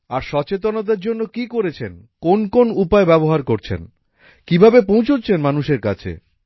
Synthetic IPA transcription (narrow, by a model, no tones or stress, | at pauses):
aɾʃɔt͡ɕet̪̬onod̪̬eɾd͡ʑonːokikoɾet͡ɕʰen | konkonupaebɛboɦaɾkoɾt͡ɕʰḛn | kibʱabep̬õw̃t͡ɕʰotːɕʰenmanuʃeɾkat͡ɕʰḛ